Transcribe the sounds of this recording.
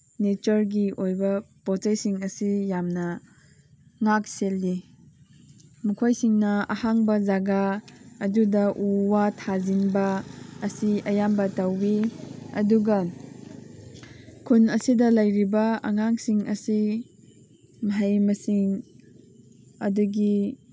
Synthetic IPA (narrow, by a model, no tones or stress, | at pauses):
net͡ʃɐɾɡiʔojbɐpot͡ʃajsiŋɐsijamnɐ | ŋak̚selːi | mukʰojsiŋnɐɐhaŋbɐzaɡaːdudɐʔuwatʰazinbɐːsiɐjambɐtawbiɐ̰duɡɐ | kʰunɐsidɐlɐjɾibɐɐ̰ŋaŋsiŋɐsi | mɐɦɐjmɐsiŋ | ɐ̰duɡi